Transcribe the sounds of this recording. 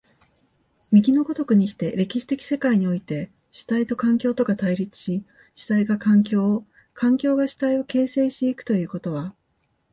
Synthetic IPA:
mʲiɡʲino̞ɡo̞t̪o̞kɯ̟ɲ̟iɕi̥t̪e̞ɾe̞kʲiɕi̥t̪e̞kʲi̥se̞kaiɲ̟io̞it̪e̞ | ɕi̥t̪ait̪o̞kãŋkʲo̞ːt̪o̞kat̪aiɾʲit͡sɨ̥ɕi | ɕi̥t̪aiɡakãŋkʲo̞ː | kʰãŋkʲo̞ːɡaɕi̥t̪aio̞ke̞ːse̞ːɕt̪e̞ikɯ̟̥t̪o̞jɯ̟ːko̞t̪o̞β̞a

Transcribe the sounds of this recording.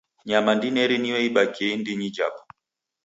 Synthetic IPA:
ɲamandinɛɾinijɔiɓakɛindiɲid͡ʒapɔ

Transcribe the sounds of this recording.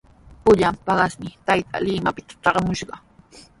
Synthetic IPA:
pʊʎampɑɢɑsmɪt̪ajt̪a̰lɪmapɪt̪ḁʈ͡ʂɑɢɑmʊʃɢɑ

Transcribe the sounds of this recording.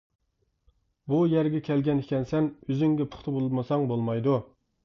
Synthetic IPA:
bujɛɾɡʲɛkʲʰɛlɡʲɛnikʲɛnsɛnøzyŋɡʲɛpʰʊ̥χt̪ʰɨbolˠmɨsɑŋbolˠmɑjd̪u

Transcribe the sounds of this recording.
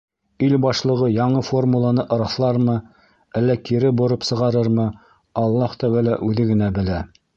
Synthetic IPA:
ilbɑʃlˠɤ̆ʁɤjɑɴɤfo̞rmulˠɑnɤʔɤ̆ɾɑθlˠɑɾmɤ | ælːækʰiɾɘbŏɾɤpsɤ̆ʁɑɾɤɾmɤ | ɑlˠːɑht̪æwælæʔʉðɘɡɘ̆næbɘ̆læ

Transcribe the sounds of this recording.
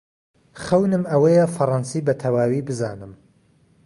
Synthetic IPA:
χɐwnɨmɐwɐjɛfɐrˤɑnsiːbɐt̪ʰɐwaːwiːbɨzaːnɨm

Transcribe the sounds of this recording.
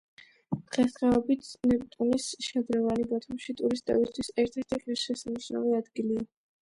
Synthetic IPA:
χɛsχɛɔbit̪nɛpʼt̪ʼunisʃad̪ɾɛvanibat̪ʰumʃit̪ʼuɾist̪ʼɛ̰bist̪ʰwisɛɾt̪ʰɛɾt̪ʰiχiʃɛsaniʃna̰viad̪ɡilia

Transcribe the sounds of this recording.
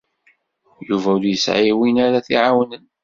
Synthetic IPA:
juvæuljəsʕiwinaɾaθḭʕawnən

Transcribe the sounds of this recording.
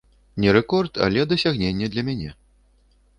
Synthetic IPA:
nʲɛɾɛkɔrt̪ʰa̰lʲɛd̪ɐsʲaɣnʲenʲːɛd̪lʲɐmʲanʲɛ̰

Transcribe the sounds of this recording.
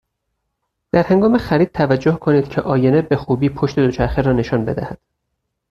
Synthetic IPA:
d̪̥æɾhe̞ŋɡɒːmexæɾiːd̪̥̚t̪ʰævæd͡ʒːo̞hkʰoniːd̪̥cʰeʔɒːjenebexuːbiːpʰo̞ʃt̪e̞d̪o̞t͡ʃʰæɾxeɾɒːne̞ʃɒːnbe̞̰d̪æhæd̪̥

